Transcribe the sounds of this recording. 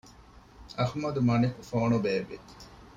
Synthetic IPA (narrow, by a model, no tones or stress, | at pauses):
ɐhmɐd̪umɐnikufoːnubeːʋe